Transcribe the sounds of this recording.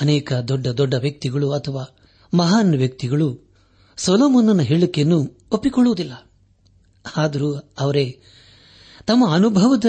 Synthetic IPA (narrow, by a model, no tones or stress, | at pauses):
ɐnɛːkɐd̪ɔɖːɐd̪ɔɖːɐʋjɐk̚t̪iɡɐɭuɐt̪ʰɐʋaː | mɐɦaːnɐʋjɐk̚t̪iɡɐɭu | soloːmɐnːɐnɐɦeɭukejɐnːu | opːikɔɭːuʋud̪ilːɐ | aːd̪ɐɾuɐʋɐɾe̞ | t̪ɐmːɐːnubʱɐʋɐd̪ɐ